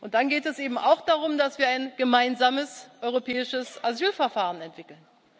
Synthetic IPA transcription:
ʔʊnt̚d̥anɡeːtɛsʔeːbm̩ʔa̰ʊxd̥aʁʊmdasv̥iːɐaɪnɡ̥əmaɪnzaːməsʔɔʏʁopʰɛːɪʃəsazyːlfɛɐfaːʁ̞ənɛntv̥ɪkl̩n

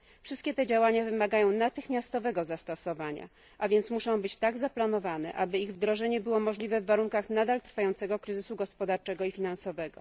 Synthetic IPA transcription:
fʂɘst̪kʲɛt̪ɛd͡ʑawaɲavɘmaɡajɔ̃w̃nat̪ɘxmʲjast̪ɔvɛɡɔzast̪ɔsɔvaɲa̰ | ʔavʲjɛnt̪smuʂɔ̃w̃bɘt͡ɕt̪aɡzaplanɔvanɛ̰ʔabɘiɣvd̪ɾɔʐɛɲɛbɘwɔmɔʐlʲivɛvːaɾuŋkaxnad̪alt̪ɾfajɔnt̪sɛɡɔkɾɘzɘsuɡɔspɔd̪aɾt͡ʂɛɡɔifʲinansɔvɛɡɔ̰

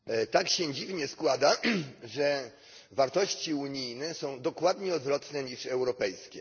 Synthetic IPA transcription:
t̪akɕɛd͡ʑivɲɛskwad̪aʐɛ | vaɾt̪ɔɕt͡ɕiuɲijnɛsɔ̃w̃d̪ɔkwad̪ɲɛɔd̪vɾɔt̪nɛɲiʂɛwɾɔpɛjskʲɛ

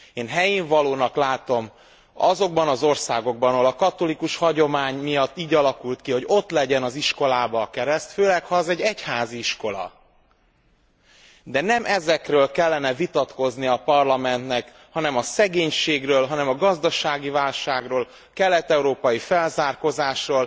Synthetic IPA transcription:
eːnɦɛjiːɱvɒloːnɒklaːt̪o̞m | ɒzo̞ɡ̚bɒnɒzo̞rsaːɡo̞ɡ̚bɒnolɒkɒt̪o̞likuʃhɒɟo̞maːɲmijɒt̪ːiːɟɒlɒkult̪kiɦo̞ɟo̞t̪lɛɟɛnɒziʃko̞laːbɒkɛɾɛst̪føːlɛkhɒɛzɛɟːɛchaːziiʃko̞lɒ̰ | d̪ɛnɛmʔɛzɛkrøːlkɛlːɛnɛvit̪ɒt̪ko̞zniɒpɒrlɒmɛnt̪nɛk | hɒnɛmɒsɛɡeːɲʃeːɡrøːlɦɒnɛmɒɡɒzd̪ɒʃaːɡivaːlʃaːɡroːl | kɛlːɛt̪ɛuɾoːpɒjifɛlzaːrko̞zaːʃroːl

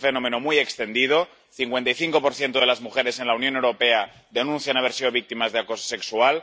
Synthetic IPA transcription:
fe̞nõ̞me̞nomujekst̪e̞nd̪ið̞o̞ | θiŋkwe̞nt̪ajθiŋko̞poɾθje̞nt̪oð̞e̞lazmuxe̞ɾe̞se̞nlaunjonewɾope̞a | d̪e̞nũnθjanaβe̞ɾsið̞o̞β̞ik̚t̪imazðeako̞so̥se̞ksual

